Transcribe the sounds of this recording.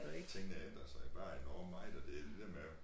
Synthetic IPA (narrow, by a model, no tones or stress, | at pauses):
ueɡ̥t͡sʰeŋ̰nəend̥ʁɐsɑ̈ɪb̥ɑ̈ːenɒːmmɑ̈ɪd̥ɒ̽d̥e̝æd̥ed̥eɐme